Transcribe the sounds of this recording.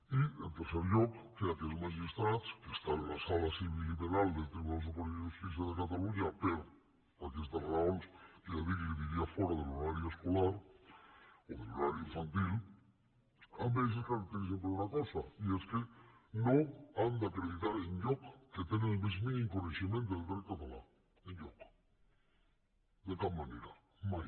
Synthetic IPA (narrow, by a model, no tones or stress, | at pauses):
iḛlt̪eɾseɾʝokkːeakeelmaʃist̪ɾat̪skest̪aenlasalasiβilːiβeɾald̪ent̪ɾiβunas̬aponiestis̬jaðekat̪aluɲapeɾo | paɾkiest̪anaɾaolseaðikekeβiɾiafweɾaðeloɾaɾjoeskolaɾ | oðeloɾaɾjoiɱfant̪il | aβes̬eskaɾakt̪eɾis̬empɾeunakosaieskenoand̪aakɾeðit̪aɾeɲʎokket̪eneelβez̬minĩŋkonesimẽnt̪oðet̪eɾkat̪ala | eɲɟok | d̪et̪almaneɾa | ma